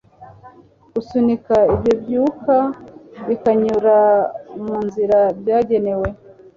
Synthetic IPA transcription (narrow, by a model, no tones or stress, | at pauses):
ɡ̥usunikaibjobjukaβikaɲuɾamuːnziɾabjaːɟe̞ne̞we̞